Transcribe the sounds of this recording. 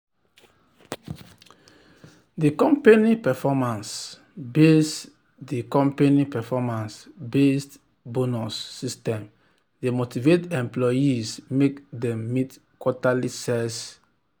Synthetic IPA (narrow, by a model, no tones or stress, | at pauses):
dikɔ̃mpenipɛfɔmãns | bes | dikɔ̃mpenipɛfɔmãnsbest | bonusːistɛ̃m | demotivetɛ̃mplɔjismekdɛ̃mːit | kwɔtalisɛs